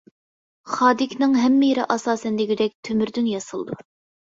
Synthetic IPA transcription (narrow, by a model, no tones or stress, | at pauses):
χɑːd̪ɪkʲʰnɪŋɦɛmːijɾɨ̰ʔɑsɑːsɛnlɪɡʲid̪ɛk̚ʲt̪ʰømyɾd̪ynjɑsɨlˠd̪ṵ